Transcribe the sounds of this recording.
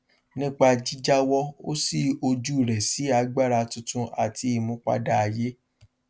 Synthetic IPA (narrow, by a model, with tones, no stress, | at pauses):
nĩ˦k͡pa˧d͡ʒi˦d͡ʒa˦wɔ˧o˦si˦˨o˧d͡ʒu˦˨ɾɛ˨si˨˦a˧ɡ͡ba˦˨ɾa˧tũ˧tũ˧ʔa˨ti˧i˨mũ˨˦k͡pa̰˧da˧a˧je˦